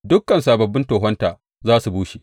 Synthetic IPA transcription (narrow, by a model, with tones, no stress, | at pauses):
dʊ˦kːɐ˨nsaː˨bɐ˨bːɪ˦ntoː˨ɦɔ˦ntaː˨ | zaː˦su˨buː˦ʃi˨